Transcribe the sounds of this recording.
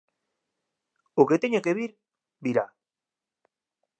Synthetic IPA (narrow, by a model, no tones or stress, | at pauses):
oket̪eɲekeβiɾ | biɾa